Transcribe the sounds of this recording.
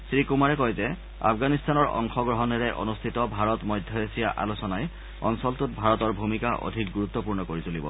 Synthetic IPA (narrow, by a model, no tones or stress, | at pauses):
sɹikumaɹɛkɔjzɛ | a̰pʰɡanistanɔɹʔɔ̰ŋxɔɡɹɔɦɔnɛɹɛʔo̰nustʰitɔbʱaɹɔtmɔjdʱjɔesijaʔa̰losɔnaj | ɔ̰nsɔltʊt̚bʱaɹɔtɔɹbʱumikaʔo̰dʱik̚ɡuɹut̪ːɔpuɹnɔkoɹitolibɔ̰